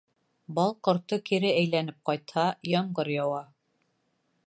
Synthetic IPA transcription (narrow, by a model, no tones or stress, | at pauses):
bɑlˠqŏɾt̪ɤkiɾɘæjlænɘp̚qɑjt̪hɑjɑɴɢɤɾjɑwɑ